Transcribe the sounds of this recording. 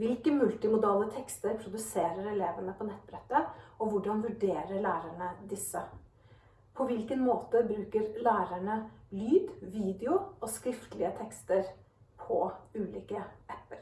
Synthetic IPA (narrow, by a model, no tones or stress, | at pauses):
ʋɪlkəmʉlt̪ɪmʊd̪ɑːlət̪ʰɛkst̪əɾpʰɾʊd̪ʉseːɾəɾɛleːʋəɳəpʰɔnɛt̪ːbɾɛt̪ːəɔʋʊɖɑnʋʉɖeːɾəɭæːɾæɳəd̪ɪsːə | pʰɔʋɪlkənmoːt̪əbɾʉːkəɾlæːɾæɳəlyːd̪ʋiːd̪ɛʊɔskɾɪft̪əlɪət̪ʰɛkst̪əɾ | pʰɔʉːliːkəɛpːəɾ